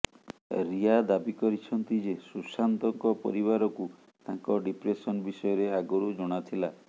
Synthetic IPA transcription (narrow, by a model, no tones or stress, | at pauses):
ɾiad̪abikɔɾit͡ʃʰɔnt̪id͡ʒesusant̪ɔŋkɔpɔ̰ɾiβaɾɔku | t̪ãŋkɔɖipɾesɔnbisɔjɔɾeaɡɔɾud͡ʒɔɽ̃at̪ʰila